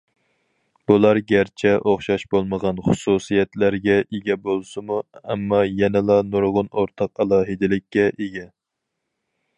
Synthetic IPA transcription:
b̥ulˠɑɾɡʲæɾt͡ʃʰɛʔoχʃɑʃbolˠməʁɑnχʊsusijɛt̪læɾɡʲɛʔeɡʲɛbolˠsɨmuɛmːɑjɛnɪlˠɑnuɾʁʊnoɾt̪ʰɑqɑlˠɑːɦɨd̪ɪlɪkʲːɛʔeɡʲɛ

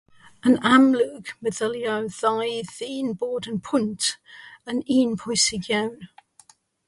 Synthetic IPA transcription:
ə̃namlʉːɡməðəljoʊðaɪðiːnbɔːdə̃npʰʊ̃ntə̃niːnpʰɔɪsɪɡjaʊn

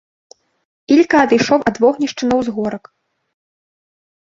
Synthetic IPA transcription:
ilʲkɐɐd̪ɨjʂɔwʔɐd̪vɔɣnʲiʂt͡ʂɨnɐwzɣɔɾɐk

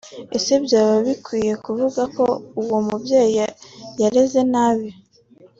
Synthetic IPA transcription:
esebjaːβaβikwiːje̞kuvuɡako̞uwo̞mubje̞ːjajaɾe̞ze̞naβjo

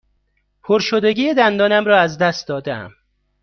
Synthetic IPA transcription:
pʰoɾʃod̪eɟiːjed̪ænd̪ɒːnæmɾɒːæzd̪æst̪̚d̪ɒːd̪eæ̰m

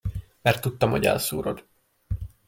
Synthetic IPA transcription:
mɛrt̪ːut̪ːɒmhoɟɛ̰lsoːɾo̞d̪

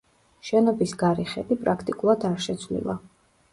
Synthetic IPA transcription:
ʃɛnɔbisɡaɾiχɛb̪ipʼɾakʰt̪ʼikʼulˠad̪aɾʃɛt̪sʰvlḭlˠa̰

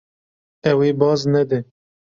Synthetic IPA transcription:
ɛweːbɑːznɛd̪e

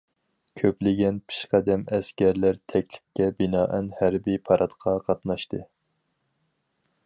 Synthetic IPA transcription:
kʲʰøplɪɡʲɛnpʰi̥ʃqæd̪ɛmɛskʲæɾlæɾt̪ʰɛkʲlɪ̥kʲːɛbinɑːʔɛnhæɾbijpʰɑɾʔɑt̪qʰɑqʰɑt̪nɑʃt̪ɨ

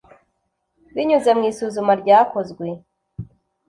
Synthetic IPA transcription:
βiɲuzamŋiːsuːzumaɾɟaːko̞zɡwe̞

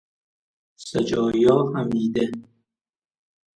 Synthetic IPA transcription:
sed͡ʒɒːjɒːhæmiːd̪e

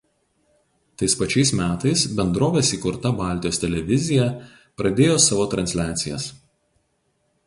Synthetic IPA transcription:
t̪ɐɪspɐt͡ʃʲɛɪsmʲæːt̪ɐɪsbʲɛnd̪ɾoːʋʲeːsiːkʊɾt̪ɐbɑˑlʲt̪ʲɪjoːst̪ʲɛlʲɛʋʲɪzʲɪjɛ | pɾɐd̪ʲeːjoːsɑːʋoːt̪ɾɐnʲsʲlʲæːt̪sʲɪjɛs

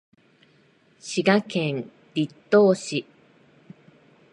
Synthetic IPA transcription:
ɕiɡakẽn | dʲit̪ːoːɕi

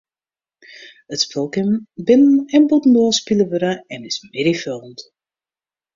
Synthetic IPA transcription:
ətspølˠkəmbɪnənɛnbutn̩ɔspiləʋøɾaɛnɪsmɪɾifølˠnt

